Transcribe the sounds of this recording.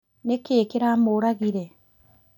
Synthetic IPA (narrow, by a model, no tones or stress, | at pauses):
nekeːkeɾamoɾaɣiɾe